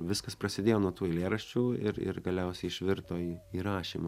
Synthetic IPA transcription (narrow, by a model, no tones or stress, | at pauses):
ʋʲɪskɐspɾɐsʲɪd̪ʲeːjoːnuɔt̪uːɪlʲeːɾɐʃʲt͡ʃʲuːɪ̰ɾɪ̰rɡɐlʲɛʊsʲɛɪɪʃʲʋʲɪɾt̪oːiːiːɾɑːʃʲḭmɐ